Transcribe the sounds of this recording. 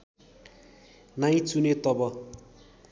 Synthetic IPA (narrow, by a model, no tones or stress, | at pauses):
naj̃t͡sunet̪ʌbʌ